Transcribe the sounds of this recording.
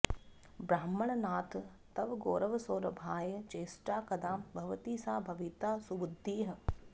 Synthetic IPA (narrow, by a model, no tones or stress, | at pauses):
bɾaːmːɐɳ̃naːt̪ | t̪ɐʋɡoːɾɐʋsoːɾɐbʱaːjɐt͡ʃeːsʈaːkɐd̪aːbʱɐʋɐt̪iːsaːbʱɐʋit̪aːsubʊd̪ʱːiːɦɐ̆